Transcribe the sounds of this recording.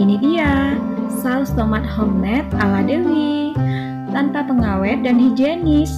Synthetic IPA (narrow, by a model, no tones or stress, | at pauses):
inidiasalst̪omat̪̚hɔmmɛt̪̚aladewi | t̪ant̪apəŋawɛp̚danhid͡ʒenis